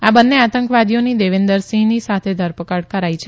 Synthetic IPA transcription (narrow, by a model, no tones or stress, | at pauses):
abənːeat̪əŋkʋad̪ijonid̪eʋend̪əɾsĩnisat̪ʰed̪ʱəɾpəkəɽkəɾajt͡ʃʰe